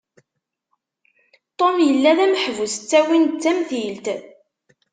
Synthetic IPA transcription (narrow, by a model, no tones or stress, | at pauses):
t̪ˤomjəlːæðæmħvusə̥t͡sːæwint͡sːæmθilt̪